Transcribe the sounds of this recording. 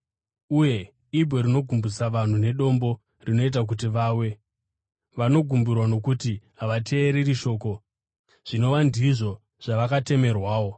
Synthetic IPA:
uje̞ | ibʱo̞ɾino̞ɡʱumbusaʋan̤une̞ɗo̞mbo̞ | rino̞it̬ak̬utiʋaːwe̞ | ʋano̞ɡʱumburwano̞kutiɦaʋate̞ːɾiriʃo̞ːko̞ | ʐ̥ino̞ʋandiʐo̞ | ʐ̥aʋakate̞me̞rwaːwo̞

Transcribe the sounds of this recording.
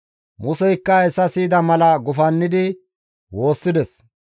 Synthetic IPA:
mʊsɛjkːɐɛsːɐsiːd̪ɐmɐlɐɡʊfɐnːɪd̪ɪ | wo̞ːsːɪd̪ɛs

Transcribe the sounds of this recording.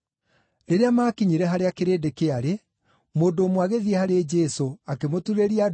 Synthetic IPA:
ɾeɾeamaːkiɲiɾɛɦaɾeakeɾeːdekeaɾe | moːndoːmwaɣeðiɛhaɾed͡ʒɛsoakemotuɾeɾia

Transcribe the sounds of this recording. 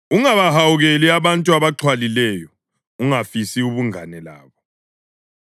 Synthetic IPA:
uŋaβahawuɣeliaβantʼuaβaǃʰwalilɛjɔ | uŋafisiuβuŋanɛla̰ːβɔ

